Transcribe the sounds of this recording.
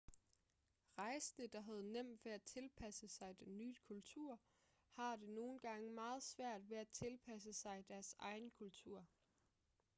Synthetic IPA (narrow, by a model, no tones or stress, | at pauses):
ʁɑ̈ɪsnəd̥ɑ̈ɦæð̞̩ˠnem̰d̥ʋe̝æt͡sʰe̝lpʰæsəsɑ̈ɪd̥enːyːd̥kʰult͡sʰuɐ̰ | hɑ̈d̥e̝no̝ːn̩ɡ̥ɑ̈ŋəmɑ̈ːð̞̩ˠsʋæɐ̰d̥ʋe̝æt͡sʰe̝lpʰæs̬əsɑ̈ɪd̥æɐsɑ̈ɪnkʰult͡sʰuɐ̰